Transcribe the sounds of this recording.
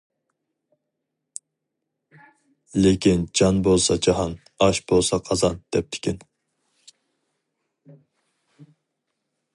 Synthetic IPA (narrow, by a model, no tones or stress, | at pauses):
lekʲind͡ʒɑnbolˠsɑd͡ʒɑɦɑn | ɑʃbolˠsɑqʰɑzɑnd̪̥ɛp̚t̪ʰɪ̥kʲin